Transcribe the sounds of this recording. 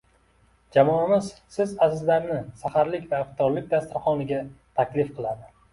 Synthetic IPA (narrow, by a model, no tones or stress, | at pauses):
d͡ʒamɒamɪzsɪzazɪzlaɾnɪsahaɾlɪkʲvaɪqt̪ʰɒɾlɪk̚ʲd̪ast̪ɪɾχɒnɪɡʲat̪ʰakʲlɪfqʰɨlˠad̪ɪ